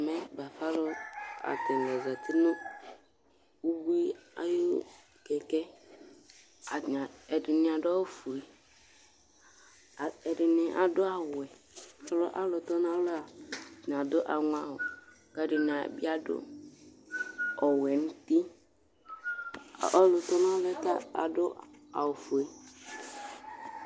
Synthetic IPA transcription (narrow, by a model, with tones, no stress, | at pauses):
mɛ˦ba˨fa˦lʊ˦a̰˨tɪ˨n˨lɛ˨za˨tʰɪ˦nʊ˦ | u˦bi˦a̰˦jo˦ | kɛ˨kɛ˦˨ | ɛ˨dɪ˨nɪ˨a˨dɔ˦wfu˨e˨ | ɛ˨dɪ˨nɪ˨ʔa˨dʊ˦a˨wwʊ˨ɛ˨˦ | lɔ˦ʔa˦lʊ˨t̪ɔ˦n˦a˦lo˦a˨n˨a˨dʊ˦ʔa˨ŋʊ˦a˦wʊ˨ | ka˦dɪ˨n˨a˨bi˦a˦dʊ̰˦ | ɔ˨wɛ˨n̩˦ti˦˨ | ɔ˦lʊ˨t̪ɔ˦n˦a˦lɛ˦ta˦a̰˨dʊ˦a˨wʊ˨fo˨e˦